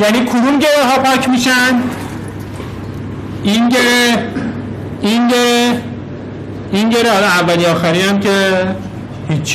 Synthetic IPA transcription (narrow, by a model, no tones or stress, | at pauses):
jæniːkʰod̪umɟeɾeɦɒːpʰɒːcʰmiːʃæn | inɟeɾe | inɟeɾe | inɟeɾehɒlɒævːæliɒːxæɾiːnæmcʰe | hit͡ʃʰː